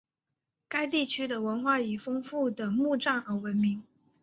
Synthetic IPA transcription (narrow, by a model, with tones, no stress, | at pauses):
ka˥ɪt̪i˥˩t͡ɕʰy˥d̪ə˨wə˧˥nxwa˥˩i˨˩fɤ˥ŋfu˥˩d̪ə˩mu˥˧ʈ͡ʂɑ˥˩ŋə˧˥wə˧˥nmi˧˥ŋ